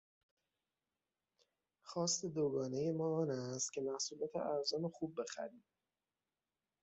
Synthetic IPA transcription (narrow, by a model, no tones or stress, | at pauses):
xɒːst̪ed̪oɡɒːne̞je̞mɒːɒːnæst̪̚cʰe̞mæhsuːlæːt̪ʰḛʔæɾzɒːnexuːb̚ːe̞xæ̰ɾiːm